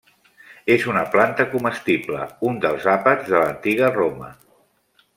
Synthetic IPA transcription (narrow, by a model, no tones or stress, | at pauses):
ezunəplant̪əkuməst̪iblə̰und̪əlˠzapədzðələnt̪iɣ̞əromə